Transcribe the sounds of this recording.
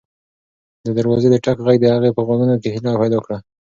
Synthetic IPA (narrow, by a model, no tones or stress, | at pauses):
d̪əd̪əɾwɑzed̪əʈakɣaɡd̪əhaɣepəɣoɡunokehɪlɑpajlɑkɽa